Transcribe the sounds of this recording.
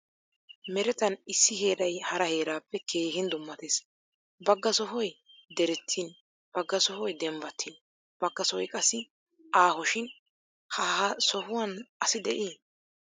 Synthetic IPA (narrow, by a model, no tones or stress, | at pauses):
mɛɾɛt̪ɐnɪsːɪhe̞ːɾɐjhɐɾɐhe̞ːɾaːpːɛkʰe̞ːɦɪnd̪ʊmːɐt̪eːs | bɐɡːɐsɔɦɔjd̪ɛɾɛt̪ʰːin | b̥ɐɡːɐsɔhɔjd̪ɛmbɐt̪ʰːin | b̥ɐɡːɐsɔjkʼɐsːɪ | aːhɔʃɪn | haːhɐsɔhʊwɐnɐsɪd̪ɛʔiː